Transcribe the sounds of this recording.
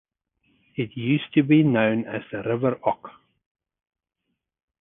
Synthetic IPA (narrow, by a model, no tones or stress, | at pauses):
ɪtʰjʉˑstʰɨbinõʊ̃nɨzðɨɹɪvə˞ɔk